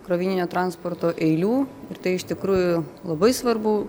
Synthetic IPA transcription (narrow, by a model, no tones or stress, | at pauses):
kɾɐʋʲiːnʲɪnʲoːt̪ɾɑnspoːɾt̪oːʔɛɪlʲuːɪɾt̪ɐɪɪʃt̪ʲɪkɾuːjʊlˠɐbɐɪsʋɐɾbu